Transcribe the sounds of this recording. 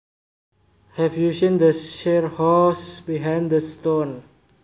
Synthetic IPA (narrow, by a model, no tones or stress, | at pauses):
hɛvjusĩnd̪əʃɛɹhɔsbiɦãjndəstõn